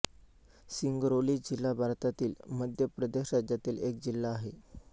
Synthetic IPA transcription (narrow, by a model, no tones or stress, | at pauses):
siŋɡɾoliːd͡ʑilːabʱaɾt̪at̪iːlməd̪ʱjəpɾəd̪eɕɾad͡ʑat̪iːlek̚d͡ʑilːaːɦe